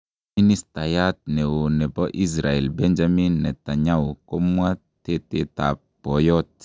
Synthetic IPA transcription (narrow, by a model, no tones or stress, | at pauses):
minist̪ajat̪̚nɛwonɛbɔʔis̬ɾaelbɛnd͡ʒaminːɛt̪aɲawkomwa | t̪et̪et̪ap | pɔjɔt̪̚